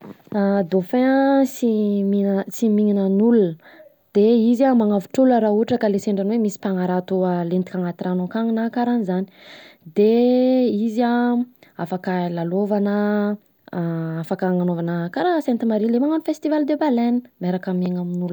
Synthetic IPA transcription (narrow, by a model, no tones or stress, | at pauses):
ad̪ofesiminsimiŋinənulunə | d̪̥eizamaŋavuʈ͡ʂuləɾauʈ͡ʂəkaleseɳɖ͡ʐanwemisi̥paŋaɾat̪ualent̪ikʲaŋat̪iranokaŋinakaɾanizani̥d̪eiziaafakəlalovanə | afakaŋanovanakaɾasent̪imaɾilemaŋanifest̪ivald̪ebalenmeɾakəmeŋaminul